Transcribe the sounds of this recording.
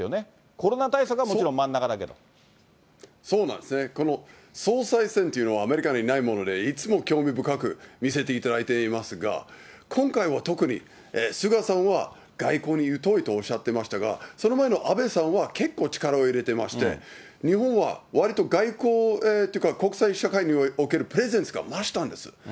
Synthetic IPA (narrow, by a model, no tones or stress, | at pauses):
jone | ko̞ɾonat̪aisakɯɡamoiɾõmãnːakad̪ake̞d̪o̰ | so̞ːnãnd̪esne̞ko̞no̞ | so̞ːsaisẽ̞nt̪o̞iɯ̟no̞βaːme̞ɾʲikaɲinaimo̞no̞d̪e̞it͡sɨmo̞kʲo̞ːmʲibɯ̟kakɯ̟mʲise̞t̪e̞it̪ad̪ait̪e̞imasɨɡa̰ | kʰõ̞ŋkaiβat̪o̞kɯ̟ɲ̟ḭ | esɨɡasãɰ̃βa | ɡ̥aiko̞ːɲ̟ijɯ̟t̪o̞it̪o̞ːɕːat̪ːemaɕi̥t̪aɡa̰so̞no̞mae̞no̞ʔabe̞sãɰ̃βake̞kːo̞ːt͡ɕi̥kaɾaoiɾe̞t̪e̞ma̰ɕi̥t̪e̞̰ | ɲ̟iɦõɰ̃βa̰βaɾʲit̪o̞ɡaiko̞ːet̪ojiɯ̟kako̞kɯ̟̥saiɕakaiɲ̟io̞ke̞ɾɯ̟pɯ̟ɾe̞zẽ̞ñt͡sɨɡa̰maɕi̥t̪ãnd̪e̞sɨ̥̰